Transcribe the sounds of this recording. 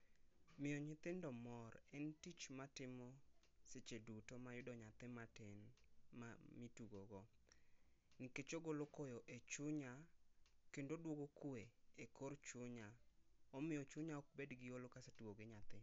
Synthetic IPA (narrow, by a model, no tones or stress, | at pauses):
mɪjɔɲɪt̪ɪndɔmɔrɛntit͡ʃmatɪmɔ | set͡ʃedutomajʊdɔɲat̪ɪmatenmamituɡoɡɔ | nɪket͡ʃoɡolokojɔʔet͡ʃʊɲakendodwoɡokweekʰort͡ʃʊɲaɔmɪjɔt͡ʃʊɲaɔk̚bedɡɪjolokasatuɡoɡɪɲat̪ɪ